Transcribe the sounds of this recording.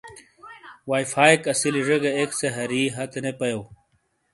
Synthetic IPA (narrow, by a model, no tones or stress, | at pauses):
waːjfaːikɐsiliʐeɡeekseɦɐɾiɦɐt̪enepɐjow